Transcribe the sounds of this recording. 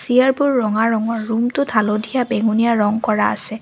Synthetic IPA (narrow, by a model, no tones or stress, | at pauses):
siaɹbʊɹːɔŋaɹɔŋɔɹːumtʊdʰʱalodʱijabeŋunijaɹɔŋkɔɹaa̰ssɛ